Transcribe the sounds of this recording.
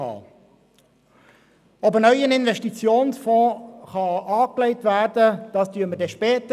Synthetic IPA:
ɑ̰ː | ɔbənœʏənɪnvɛʃtit͡sjoːnsfɔ̃ːχɑʔɑːklɛɪtvæːɾdəd̥ɑːstyːəmədɛʃpɛːtə

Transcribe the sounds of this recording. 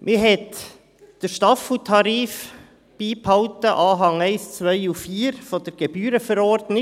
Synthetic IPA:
mʔɪɦɛt | d̥əʃtɑfutʰɑɾiːf | b̥iːphɑʊtəʔɑːɦɑŋɛɪst͡sʋœɪufiːɾfɔd̥əɾɡ̥eb̥yːɾəfəɾɔɾdnɪ

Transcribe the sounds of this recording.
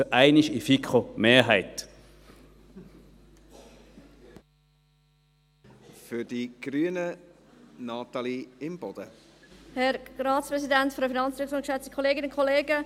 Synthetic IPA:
ʔaɪniʃifikχomeːɦaɪt | fʏd̥iɡ̥ɾyːənə | nɑt̪ɑliɪmb̥ɔd̥ə | hɛɾɾɑːtt͡spɾɛsidæntfɔɾdəfinɑnt͡sɾɪksʊŋkʃɛt͡sti̥kʰɔleːɡɪnʊnkʰoleːɡə

